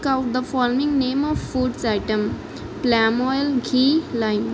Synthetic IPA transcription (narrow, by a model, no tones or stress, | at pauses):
kaʊʈ̚d̪əfɔlmɪ̃ŋnẽːmɔʋfuːɖsaɪʈə̃m | plɛmɔjlɡʱiːlaɪm